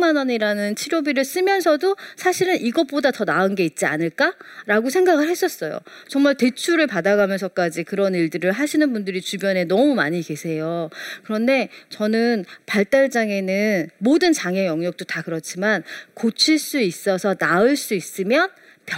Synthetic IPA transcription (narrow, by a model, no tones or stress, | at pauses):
manʌɲiɾanɯnt͡ɕʰiɾjobiɾɯɭs͈ɯmjʌnsʰʌdosʰaɕʰiɾɯnʔiɡʌp͈odatʌnaɯnɡe̞it̚t͡ɕ͈ia̰nɯɭk͈aɾaɡosʰe̞ŋɡaɡɯɭhes͈ʌs͈ʌjo̰ | t͡ɕʌŋmaɭte̞t͡ɕʰuɾɯɭpadaɡamjʌnsʰʌk͈ad͡ʑikɯɾʌniɭdɯɾɯɭɦaɕʰinɯnbundɯɾit͡ɕubjʌne̞nʌmumaɲike̞sʰe̞jokɯɾʌnde̞t͡ɕʌnɯnpaɭt͈aɭd͡ʑ͈aŋe̞nɯnmodɯnt͡ɕaŋejʌŋɲʌk̚t͈otakɯɾʌt͡ɕʰimankot͡ɕʰiɭs͈uis͈ʌsʰʌnaɯɭs͈uis͈ɯmjʌn | p